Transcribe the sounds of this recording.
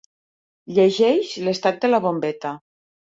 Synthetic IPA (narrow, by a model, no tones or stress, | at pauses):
ʎeʒeʃlest̪at̪̚d̪elaβombet̪a